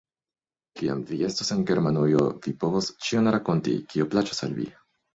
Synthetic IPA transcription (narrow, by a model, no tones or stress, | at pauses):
kia̰mvie̞stose̞nɡe̞ɾmanujo̰vipo̞vo̞st͡ʃionɾako̞ntḭkioplat͡ʃo̥sa̰lvḭ